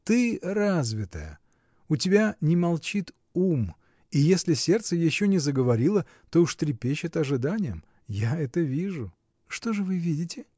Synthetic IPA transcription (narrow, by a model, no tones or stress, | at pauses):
t̪ɨrazvʲɪt̪ə̰jə̰ | ʊtʲɪbʲanʲɪmɐlˠt͡ɕit̪ | um | ijesʲlʲɪsʲe̞rt̪səjɪɕːonʲɪzəɡəvɐɾʲilˠə | t̪o̞ʊʂt̪ɾʲɪpʲeɕːɪt̪ɐʐɨd̪anʲɪjəm | jaɛt̪əvʲiʐʊ | ʂt̪o̞ʐɨvɨvʲidʲɪtʲɪ